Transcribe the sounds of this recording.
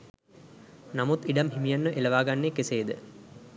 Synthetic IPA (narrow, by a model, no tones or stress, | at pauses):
namut̪iɖamɦimijanːəʔelɐʋaːɡanːekeseːd̪ə̰